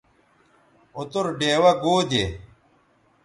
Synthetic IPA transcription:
ot̪uɾɖeːwɐɡoːd̪e

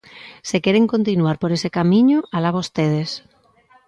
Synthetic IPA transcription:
sekeɾeŋkont̪inuaɾpoɾesekamĩɲoʔalaβost̪eð̞es

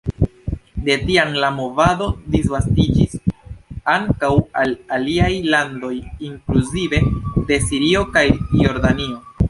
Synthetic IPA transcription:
de̞tiamlamo̞vado̞disvastid͡ʒis | aŋkawalaliajlando̞jiŋkluzive̞de̞siɾio̞kajjo̞ɾdanio̞

